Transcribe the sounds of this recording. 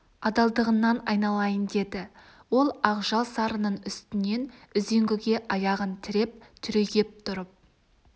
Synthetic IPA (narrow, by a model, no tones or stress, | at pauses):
ɑd̪ɑlˠd̪əʁənːɑnɑjnɑlˠɑjənd̪e̞d̪ɪ | wo̞lˠɑqʒɑlˠsɑɾənəɴʏst̪ɪne̞nʏze̞ŋɡʲɪɡʲe̞ʔɑjɑʁənt̪ʰɪɾe̞p̚t̪ʰʏɾeɡʲe̞p̚t̪ʰʊɾəp̚